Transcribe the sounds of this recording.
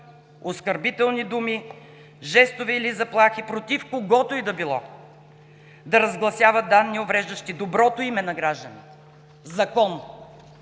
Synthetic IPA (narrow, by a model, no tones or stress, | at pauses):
oskəɾbit̪ɛlˠnid̪umi | ʒɛst̪ovɛːlizɐplˠaxipɾot̪ifkoɡɔt̪oid̪ɐbilˠɔ | d̪ɐɾɐzɡlˠɐsʲjavɐt̪̚d̪anːiovɾɛʒd̪ɐʃt̪id̪obɾɔt̪oimɛnɐɡɾaʒd̪ɐnʲit̪ɛ | zɐkɔn